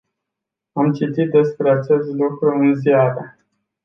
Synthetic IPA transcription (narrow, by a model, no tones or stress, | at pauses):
amt͡ʃit̪it̪̚d̪e̞spɾe̞at͡ʃe̞st̪lukɾuɨnzjaɾə